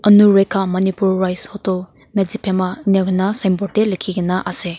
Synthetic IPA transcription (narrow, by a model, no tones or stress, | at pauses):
ɐnuɾekʰamɐnipuɾːajshɔtɔl | med͡ʒipʰemaneɡnɐsɐjmbɔtelekʰːiɡɐnɐʔase